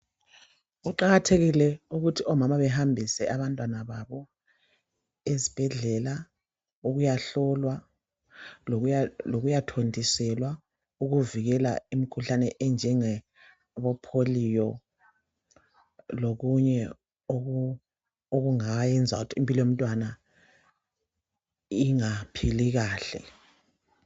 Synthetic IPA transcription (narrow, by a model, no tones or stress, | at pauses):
ɣuǃaɣatʰeɣilɛuɣutʰiɔmamaβɛɦambʱisɛʔaβantʼwanaβaβɔ | ezib̥ʱɛɮɛla | uɣujaɬɔlwa | loɣujatʰondʱisɛlwa | uɣuviɣɛla̰imikʰuɬanɛʔɛnd͡ʒʱɛŋɛ | βɔpʰolijɔ | loɣuɲɛ | o | oɣuŋajɛnd͡zʱa̰ɣutʰiːmpʼilɔjom̩tʼwana | iŋapʰiliɣaːɬɛ̰